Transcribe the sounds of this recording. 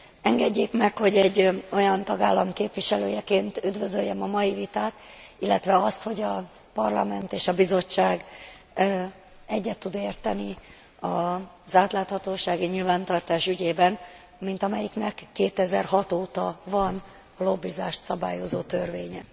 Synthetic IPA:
ɛŋɡɛɟːeːkmɛkho̞ɟɛɟːo̞jɒnt̪ɒɡaːlːɒmkeːpʋiʃɛlø̰ːjɛkeːnt̪yd̪vø̞zøjːɛmɒmɒjivit̪aːt̪ilːɛt̪ʋɛɒst̪ho̞ɟɒ | pɒrlɒ̰mɛnt̪eːʃɒbizo̞t͡ʃːaːɡ | ɛɟːɛt̪ːud̪eːrt̪ɛni | ɒ | zaːt̪laːt̪hɒt̪oːʃaːɡiɲilvaːnt̪ɒrt̪aːʃyɟeːbɛn | mint̪ɒmɛjiknɛkːeːt̪ɛzɛrɦɒt̪oːt̪ɒvɒn | ɒlo̞bːizaːʃt̪sɒba̰ːjo̞zoːt̪ørveːɲɛ

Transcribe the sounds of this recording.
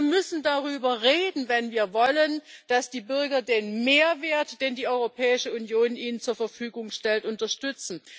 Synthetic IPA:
ɐmʏsn̩daʁyːbɐʁeːdn̩vɛnviːɐvɔlənd̥asd̥iːbʏɐɡɐdeːnmeːɐveːɐtd̥eːndiːʔɔʏʁopʰɛːɪʃəunjoːnʔiːnənt͡suːɐfɛɐfyːɡʊŋʃtɛltʔʊntɐʃtʏt͡sn̩

